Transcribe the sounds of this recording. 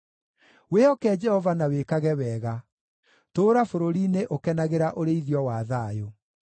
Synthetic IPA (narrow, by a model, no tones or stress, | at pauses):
weɔkɛːd͡ʒɛhɔvanawekaɣɛwɛːɣa | toːɾafoɾoɾineʔokɛnaɣeɾaʔoɾeiðjɔwaːðaːjo